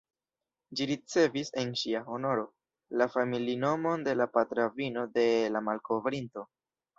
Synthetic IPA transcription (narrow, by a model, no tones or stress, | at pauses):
d͡ʒiɾit͡se̞vise̞nʃiaho̞no̞ɾo̞ | lafamilino̞mo̞nde̞lapatɾavino̞de̞lamalko̞vɾinto̞